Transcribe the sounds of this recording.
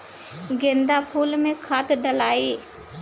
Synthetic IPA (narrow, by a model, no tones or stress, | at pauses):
ɡẽːnd̪apʰuːlmẽkʰat̪ɗəlaːeː